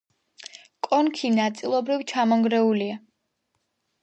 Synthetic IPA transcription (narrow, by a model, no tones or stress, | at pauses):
kʼɔnkʰinat̪sʼilˠɔbɾivt͡ʃʰamɔŋɡɾɛulia